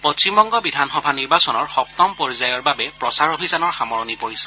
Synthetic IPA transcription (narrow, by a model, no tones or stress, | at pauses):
post͡ʃimbɔŋɡɔbidʱanxɔbʱaniɹbasɔnɔɹxɔk̚t̪ɔmpoɹizajɔɹbabɛppɹɔsaɹobʱisanɔɹxamɔɹɔnipoɹisɛ̥